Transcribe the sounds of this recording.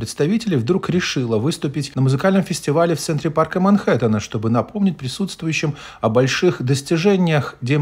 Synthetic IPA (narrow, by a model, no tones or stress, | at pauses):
ɾʲɪt̪st̪ɐvʲitʲɪlʲɪjvd̪ɾukɾʲɪʂɨlˠəvɨst̪ʊpʲɪtʲnəmʊzɨkalʲnəmfʲɪsʲtʲɪvalʲɪft̪sɛnt̪ɾʲɪparkəmɐnxɛt̪ənəʂt̪o̞bɨnɐpo̞mnʲɪt̚ʲpɾʲɪsut̪st̪vʊjʉɕːɪm | ɐbɐlʲʂɨxd̪əsʲtʲɪʐɛnʲɪjəxdʲe